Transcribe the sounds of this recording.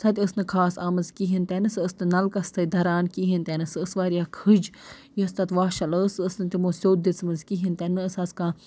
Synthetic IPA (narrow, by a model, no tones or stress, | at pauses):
sʰɐt̪ʲəsnɨkʰaːsaːmɨnzkiɦint̪ɛnɨsəsnɨnɐlkɐst̪ʰɐid̪ʱɐɾaːnkiɦint̪ɛnɨsɨəsʋaːɾijaːkʰɨd͡ʒ | jist̪ɐt̪ʋaːʃɐləsəsnɨt̪imoːsʲoːt̪̚d̪it͡sʰmɨnzkiɦint̪ɛnɨəsɐskãː